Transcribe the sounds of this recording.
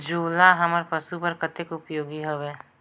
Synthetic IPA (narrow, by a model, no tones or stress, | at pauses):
d͡ʒuːlaɦɐməɾpɐsupɐɾkət̪ɪkʊpjoːɡiɦoʋeː